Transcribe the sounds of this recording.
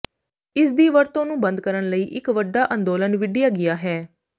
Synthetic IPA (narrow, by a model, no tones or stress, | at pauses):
ɪsd̪iːʋəɾt̪õːnũːbənd̪̚kəɾəɳləiːʔɪkʋəɖaːʔə̃nd̪oːlənʋɪɖɪjaːɡɪjaːɦɛː